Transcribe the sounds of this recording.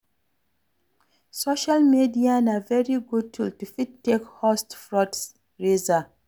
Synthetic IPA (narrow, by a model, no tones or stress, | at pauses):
soʃalmidianavɛɹiɡud̚tʰultufidtːekhɔstfɹɔds | ɹeza